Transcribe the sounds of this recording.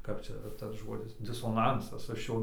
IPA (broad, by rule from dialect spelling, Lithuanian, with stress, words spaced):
kɐp ˈt͡ʃʲɛ tɐs ˈʒoːdʲɪs dʲɪsoːˈnɐnsɐs ˈɐʃ ˈjoː